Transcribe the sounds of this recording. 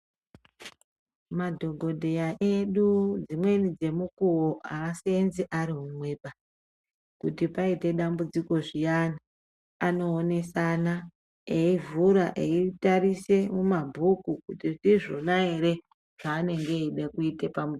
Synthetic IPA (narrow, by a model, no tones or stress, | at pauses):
madʱo̞ɡʱo̞dʱe̞jaʔeɗud͡zimwe̞nid͡ze̞mukuwoʔaːsenziʔaɾiɦumwe̞ːɓa | kutipaite̞ɗambud͡ziko̞ʐijana | ano̞ːne̞sana | eivuɾaʔeitaɾise̞mumabʱukukutiʐiʐonaeɾe̞ | ʐ̥aːne̞ŋɡeiɗekuitepamu